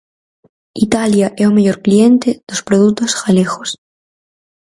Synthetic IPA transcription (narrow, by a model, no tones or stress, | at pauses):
it̪aljaʔeomeʎoɾklient̪eð̥ospɾoðut̪osxalexos